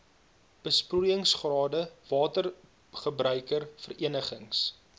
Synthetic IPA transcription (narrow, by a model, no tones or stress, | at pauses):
b̥əsprujəŋsχrɑːdəvɑːtər | χəbrʔœɥkərfəriənəχəŋs